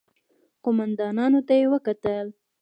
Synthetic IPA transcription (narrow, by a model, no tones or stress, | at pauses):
qomand̪ɑnɑnot̪ajewəkat̪əl